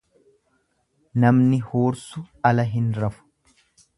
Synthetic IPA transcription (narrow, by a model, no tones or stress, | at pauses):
nɐmnɪhoːɾsʊ | ɐlɐɦɪnɾɐfʊ̥